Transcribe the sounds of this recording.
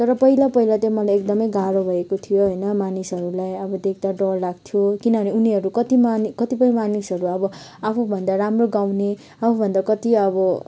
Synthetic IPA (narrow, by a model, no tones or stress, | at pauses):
t̪ʌɾʌpʌilapʌɦilat̪jemʌlajek̚d̪ʌmʌjɡaɾobʱʌekot̪ʰijoɦojnʌmanisɦʌɾulajʌbʌd̪ek̚ʰd̪aɖʌlːaɡ̚t̪ʰijokinʌbʌneuniɦʌɾukʌt̪imanikʌt̪ipʌj̃manisɦʌɾuʌbʌapʰubʱʌnd̪aɾamroɡawne | apʰũbʱʌnd̪akʌt̪iʌbʌ